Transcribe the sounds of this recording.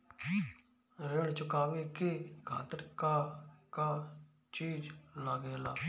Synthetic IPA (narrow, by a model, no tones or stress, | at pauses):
ɾeɳt͡ʃʊkaːʋeːkɪkʰa̰ːt̪əɾkaːkaː | t͡ʃiːd͡ʒlaɡeːlaː